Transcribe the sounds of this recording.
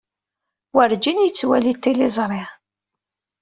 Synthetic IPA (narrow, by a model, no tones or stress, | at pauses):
wəɾd͡ʒinjət͡sːwælit̪ːilɪzˤɾˤɪ